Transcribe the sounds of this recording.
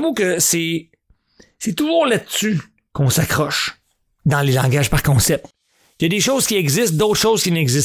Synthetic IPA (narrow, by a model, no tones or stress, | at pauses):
mukəse | set̪uʒuːʁlad̪sy | kɔ̃sakʁɔʃ | d̪ɑ̃lelɑ̃ɡʲaʒpaʁkɔ̃ːsɛp̚t̪ | kjad̪eʃoz̥kʲiɛɡzɪst̪̚d̪owt̪χʃoːzkʲinɛɡzɪs